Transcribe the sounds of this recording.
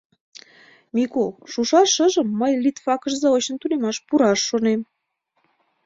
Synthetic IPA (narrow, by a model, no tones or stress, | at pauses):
mikolʃuʃɑʃəʒəmːəjlit̪fɑkə̆ʒzɑot͡ɕə̆nt̪unemɑʃpuɾɑʃːonem